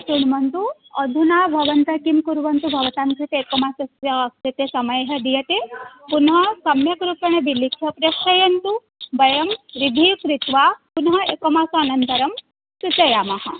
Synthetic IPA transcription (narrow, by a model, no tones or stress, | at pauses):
t͡ʃuɳmɐnt̪uɐd̪ʱunabʱɐʋɐnt̪ɐkimkuɾʋɐnt̪ubʱɐʋɐt̪ankɾit̪eekomasɐsjɐɐktit̪esɐmɐjɦɐ̆d̪ijɐt̪epunɦɐsɐmjɐkɾupɐɳ̃ebilikʰɐpɾɐʃɐjɐnt̪u | bɐjɐmɾid̪ʱikɾit̪ʋapunɦɐekomaːsuanɐnt̪ɐɾɐm | sut͡ʃɐjaːmaɦɐ